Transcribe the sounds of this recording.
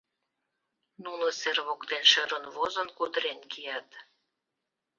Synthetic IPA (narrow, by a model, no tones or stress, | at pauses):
nulə̆serβokt̪enʃøɾənvozənkud̪əɾenkijæt̪